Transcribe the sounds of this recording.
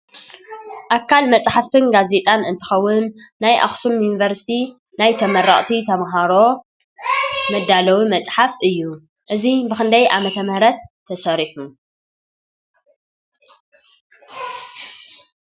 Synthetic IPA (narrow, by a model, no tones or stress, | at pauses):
ʔakʰːalmɐt͡sʼħaft̪ʰɨnɡaze̞t̪ʼanɨnt̪ʰɨ̥xɐwːʊnːajʔa̰xsumjunivɐɾsi̥t̪ʰi | najt̪ʰɐmɐɾɐχʼt̪ʰit̪ʰɐmɦaɾo̞ | mɐd̪ːalɐwimɐt͡sʼħafʔɨjːu | ʔɨzibɨxɨnd̪ɐjʔamɐt̪ʰɐmɐhɾɐt̪ʰːɐsɐɾiħu